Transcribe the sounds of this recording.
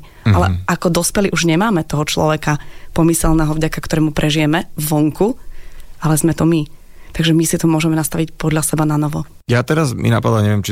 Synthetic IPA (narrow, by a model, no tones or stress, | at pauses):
alɛ̰akɔd̪ɔspɛliʔuʒɲɛmaːmɛt̪ɔɦɔt͡ʃlɔ̰ʋɛkapɔmisɛlnɛɦɔvɟakakt̪ɔɾɛːmupɾʔɛʒijɛmɛvʋɔŋku | alɛzmɛt̪ɔmi | t̪aɡʒɛmisit̪ɔmʊɔʒɛmɛnast̪aʋicpɔd̪ʎasɛbananɔʋɔ | jat̪ɛɾazmḭna̰pad̪laɲɛʋɪjɛmt͡ʃi